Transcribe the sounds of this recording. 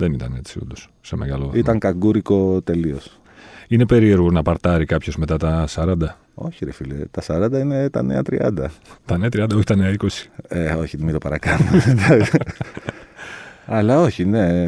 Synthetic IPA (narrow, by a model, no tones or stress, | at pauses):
ðe̞nit̪ɐne̞̰t͡siṵnd̪o̞sːe̞me̞ɣɐloit̪ɐŋkɐŋɡuɾiko̞t̪e̞lio̞s | ine̞pe̞ɾie̞ɾɣonɐpɐɾt̪ɐɾikɐpço̞zme̞t̪ɐt̪ɐsɐɾɐnd̪ɐ | o̞çiɾefilḛt̪ɐsɐɾɐnd̪ɐine̞t̪ɐ̰ne̞ɐt̪ɾḭʔɐ̰nd̪ɐt̪ɐneɐt̪ɾiɐnd̪ɐo̞çi̥t̪ɐneɐiko̞si̥eoçiðmit̪opɐɾɐkɐnumeed̪ɐks | ɐlɐo̞çine̞